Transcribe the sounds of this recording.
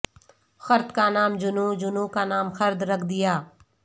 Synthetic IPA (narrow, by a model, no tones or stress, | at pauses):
xəɾt̪kanaːmd͡ʒʊnũːd͡ʒʊnũːkanaːmxəɾd̪ɾɐkʰd̪ɪjaː